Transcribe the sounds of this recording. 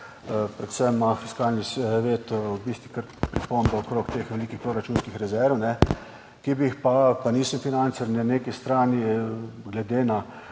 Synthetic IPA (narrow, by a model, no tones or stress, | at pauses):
pɾɛt̪sɛmːafiskaːlnisʋeːt̪wbist̪ʋikəɾpɾipombɔɔkɾoːkt̪eːxʋɛliːkixpɾoɾat͡ʃuːnskixɾɛzɛɾnɛ | kibiixpapaniːsəmfinant̪sɛɾnaneːkist̪ɾaːniɡlɛd̪eːna